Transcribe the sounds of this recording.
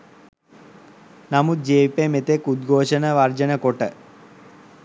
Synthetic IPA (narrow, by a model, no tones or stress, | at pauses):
nɐmud͡ʒeːpemet̪ekud̪ɡʱoːʂɐnɐʋɐrd͡ʒɐnɐkoʈːɐ